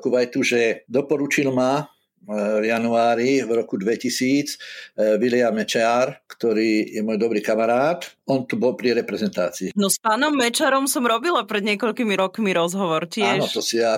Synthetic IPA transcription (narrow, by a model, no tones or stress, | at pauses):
kuʋajt̪uʒɛd̪ɔpɔɾut͡ʃilma | vjanuaːɾivɾɔkud̪ʋɛcisiːt͡sʋilɪamɛt͡ʃɛaɾkt̪ɔɾiːjɛmɔjd̪ɔbɾiːkamaɾaːt̪ɔnt̪ubɔlpɾiɾɛpɾɛzɛnt̪aːt͡siːnɔspaːnɔmːɛt͡ʃaɾɔmsɔmɾɔbilapɾɛd̪ɲɪɛkɔʎkimiɾɔkmiɾɔzɦɔʋɔɾcɪɛaʃɔt̪ɔsia